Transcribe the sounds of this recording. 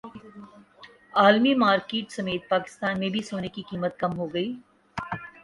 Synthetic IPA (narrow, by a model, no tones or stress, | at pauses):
aːlmimaːɾkeːʈsɐmeːt̪̚paːkɪ̥st̪aːnmẽbʱisoːnekikiːmət̪̚kɐmɦoɡɐiː